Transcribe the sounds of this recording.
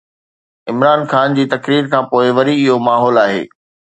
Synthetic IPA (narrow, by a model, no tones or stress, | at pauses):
ɪmɾaːnxaːnd͡ʑiːt̪ɐkɾiːɾkʰãːpoːɪʋɐɾiɪɦomaːɦɔːlaːɦḛː